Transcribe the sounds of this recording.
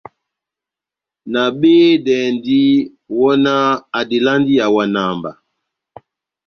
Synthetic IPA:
na˨ɓeː˦dɛ˨ndi˦ | wɔ˦na˦a˨di˨la˦ndi˦ja˨wa˨na˨mba˨

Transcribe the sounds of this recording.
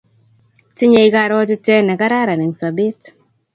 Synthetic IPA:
tɪ˦ɲe˨i˦ka˦ɾɔ˦tɪ˦tɛ˦nɛ˨ka˦ɾa˦ɾa˨ne˨ŋsa˨bi˦t

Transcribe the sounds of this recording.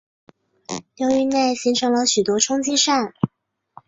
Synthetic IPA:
ljɑ˥y˥˧ne˥˩ɪɕi˧˥ŋʈ͡ʂʰɤ˧˥ŋlə˧ɕy˨˩t̪wɔ˥ʈ͡ʂʰʊ˥ŋt͡ɕi˥ʂa˥˩n

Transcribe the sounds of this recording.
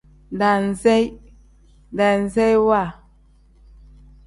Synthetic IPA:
n˨da˨n˨zɛ˦j | n˨da˨n̩˨zɛ˦jwa˦˨

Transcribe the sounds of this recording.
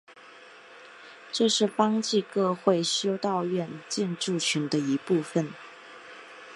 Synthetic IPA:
ʈ͡ʂɤ˥˧ʂɻ̩˥˩fɑ˥ŋt͡ɕi˥˧kɤ˥˧xwe˥˩ɪɕjo˥ʊt̪ɑ˥˧ʊɥɛ˥˩nt͡ɕɛ˥˧nʈ͡ʂu˥˩t͡ɕʰy˧˥nd̪ə˧i˧˥pu˥˩fə˨˩n

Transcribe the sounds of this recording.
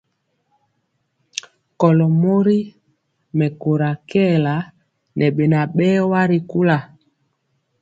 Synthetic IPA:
kɔ˨lɔ˨mo˦ɾi˦ | mɛ˨ko˨ɾa˨kɛ˦˨la˨ | nʔɛ˨ɓɛ˨na˨ɓɛ˦wa˦ɾi˨ku˦la˨

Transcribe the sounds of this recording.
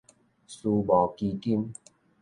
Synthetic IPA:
su˧bɔ˨˩ki˧ki˦˧˦n

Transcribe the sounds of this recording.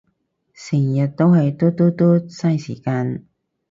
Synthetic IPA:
sɪ˨˩ŋjɐ˨t̚t̪o˥whɐ˨˧jt̪ɔː˥t̪ɔː˥t̪ɔː˥sɐ˥jsḭː˨˩kaː˧n

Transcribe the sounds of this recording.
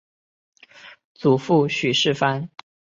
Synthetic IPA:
t͡su˨˩fu˥˩ɕy˨˩ʂɻ̩˥˩fa˥n

